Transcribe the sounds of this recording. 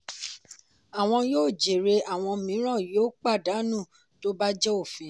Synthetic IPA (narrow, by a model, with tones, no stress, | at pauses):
a˨w̃ɔ̃˧joː˦˨d͡ʒe˨ɾe˧a˨w̃ɔ̃˧mĩ˨˦ɾ̃ã˦˨joː˦k͡pa˦˨da˨˦nũ˦˨ | to˦ba˦d͡ʒɛ˦o˦˨fĩ˨˦